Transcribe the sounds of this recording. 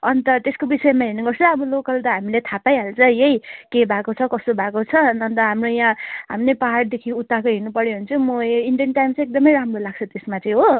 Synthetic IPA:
ʌnt̪ʌt̪eskobisʌemaɦinuɡʌrt͡sʰʌʌbʌlokʌlt̪ʌɦamilet̪ʰapajɦalt͡sʌjejkebʱakot͡sʰʌkʌst̪obʱakot͡sʰʌnʌnt̪ʌɦamrojãɦa̰mnepaɦaʈd̪ekʰiut̪ːakoɦinupʌɽjoɦʌnt͡sʌmʌiɳɖijʌnʈajmt͡sʌ̃ek̚d̪ʌmʌjɾamrolaɡ̚t͡sʰʌt̪esmat͡sʌĩɦo

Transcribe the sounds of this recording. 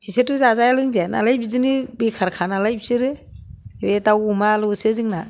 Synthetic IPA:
isetuzazajalɯŋzana̰lajbizɯnibikʰaɾkʰanalajbisɯɾɯ | ɾetawumalɔsɯzɯŋna

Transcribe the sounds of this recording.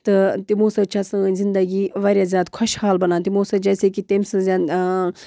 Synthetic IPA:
t̪ɨt̪imuːsɐt͡ʃʰɐsɨ̃nʲzɪnd̪əɡiʋaːɾʲjaːzjaːd̪kʰʊʃhaːlbɐnãːnt̪imoːsɐd͡ʒɛːsekit̪eːmsɐ̃zʲaːn

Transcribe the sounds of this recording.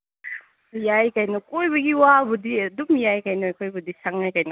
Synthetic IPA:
jajkajnɔkojbɐɡiwabɔdidumjajkajnɔjkojbɐdisaŋajkajnɔ

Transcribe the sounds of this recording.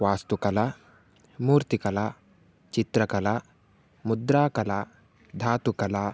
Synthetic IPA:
ʋaːst̪ukɐla | muːɾt̪ikɐla | t͡ʃit̪ɾɐkɐla | mud̪ɾaːkɐla | d̪ʱaːt̪ukɐlaː

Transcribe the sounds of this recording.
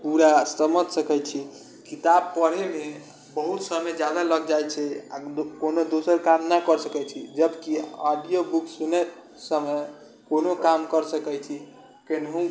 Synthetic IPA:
puɾast̪əmət̪səkɛt͡ʃʰi | kit̪ab̚pəɾ̤eme | bəɦut̪səmjd͡ʒjad̪aləɡd͡ʒajt͡ʃʰɛa̰konod̪osəɾkamnakəɾsəkɛt͡ʃʰid͡ʒəbkiɔɖijobuksunɛt̪ | səməj | konokamkəɾsəkɛjt͡ʃʰi | kenɦũ

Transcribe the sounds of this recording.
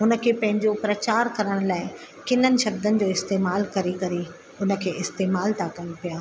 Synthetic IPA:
ʊnə̆kʰeːpɐ̃ɦɪ̃ɲd͡ʑopɾɐt͡ɕaːɾkɐɾəɽ̃laːɪ | kɪn̤ənɪ̆ʃɐb̚d̪ənɪ̆d͡ʑoːɪst̪eːmaːlkɐɾikɐɾi | ʊnə̆kʰeːʔɪst̪eːmaːlt̪ʰakɐjũpijaː

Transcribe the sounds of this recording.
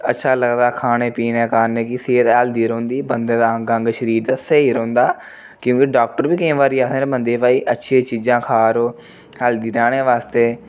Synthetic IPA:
ə̰tːʃʰaːləɡd̪aːkʰaːñeːpiːnẽːkaːneːkɪseːt̪ɛːld̪iːɾːnd̪iːbənd̪ẽːd̪aːə̃ŋɡãŋɡʃəɾiːɾd̪aːseiːɾõnd̪aː | kjõːkiɖaːk̚ʈəɾbiːkəĩːʋaːɾiːaːt̪ʰːɾebə̃nd̪eːpaːiːʔətːʃʰieːt͡ʃiːd͡ʒãːkʰaːɾoː | ɦɛːld̪iːɾaːɽ̃ẽːʋaːst̪eː

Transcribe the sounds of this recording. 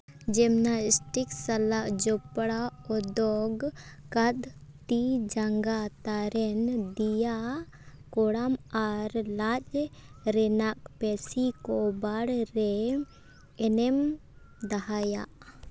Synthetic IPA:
d͡ʒɛmnasʈiksalaʔd͡ʒɔpɽaɔd̪ɔɡkad̪t̪id͡ʒaŋɡat̪aɾɛnd̪ija | kɔɽamaɾlat͡ʃɾɛnak̚pɛsikɔbaɽɾɛ | ɛnɛm | d̪aɦaja̰ʔ

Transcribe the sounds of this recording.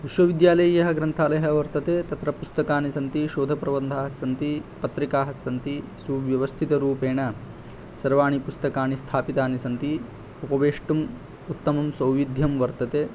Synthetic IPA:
ʋiʃʋɐʋid̪jaːlɐjɐɦɐɡɾɐnt̪ʰaːlɐɦɐʋɐɾt̪ɐt̪eːt̪ɐt̪ɾɐpust̪ɐkaːnisɐnt̪iʃoːd̪ʱɐpɾɐʋɐnd̪ʱaːɦɐsɐnt̪ipɐt̪ɾikaːɦɐsɐnt̪isuʋjɐʋɐst̪ʰit̪ɐɾuːpeːɳɐ | sɐɾʋaːɳ̃ipust̪ɐkaːɳist̪ʰaːpit̪aːnisɐnt̪i | upɐʋeːʂʈum | ut̪ːɐmɐmsɐwʋid̪ʱjɐmʋɐɾt̪ɐt̪eː

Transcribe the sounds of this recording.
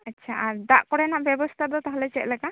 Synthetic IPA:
ətːt͡ʃʰaʔaɾd̪aʔkɔɽɛnaʔbjɛbɔst̪ʰad̪ɔt̪ɔɦalɛt͡ʃɛt̪̚ˀlɛka

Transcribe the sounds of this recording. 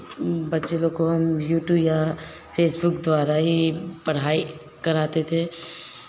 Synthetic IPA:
bɐtːt͡ʃelõkoɦɐmjuːʈjuːbja | pʰeːsbʊkd̪ʋaːɾaɦipɐɽ̤aːi | kɐɾaːt̪et̪ʰe

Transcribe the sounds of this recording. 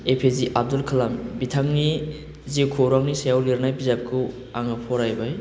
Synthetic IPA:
epʰeziʔab̚dulkʰalambitʰaŋni | zikʰoɾaŋnisajawliɾnajpizap̚kʰu | aŋapʰɔɾajbaj

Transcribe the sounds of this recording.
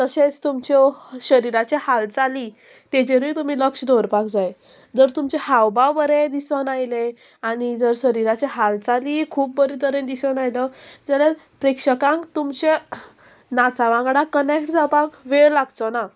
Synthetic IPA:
t̪əɕẽt͡st̪umt͡ɕɔɕəɾiɾat͡ɕehalt͡sali | t̪et͡ɕeɾujt̪um̤iləkʂəd̪oɾpakd͡zaj | d͡zəɾt̪umt͡ɕehawbawbəɾed̪isʋənajle | aɽ̃id͡zəɾɕəɾiɾat͡ɕeɦalt͡salikʰuːp̚bəɾit̪əɾend̪isʋənajləd͡zəlelpɾekʂəkãŋkt̪umt͡ɕe | nat͡saʋãŋɡɽakənekʈd͡zapakʋeɭlaɡt͡sɔna

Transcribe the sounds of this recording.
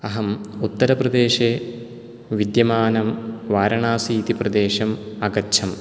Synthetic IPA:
ɐɦɐmut̪ːɐɾɐprɐd̪eːʃe | ʋid̪jɐmaːnɐmʋaːɾɐɳaːsiːt̪iprɐd̪eːʃɐmɐɡɐt͡ɕʰɐm

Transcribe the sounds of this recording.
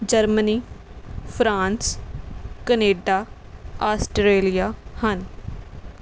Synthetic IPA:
d͡ʒəɾməniːpʰɾãːns | kəneːɖaː | aːsʈɾeːlijaːhən

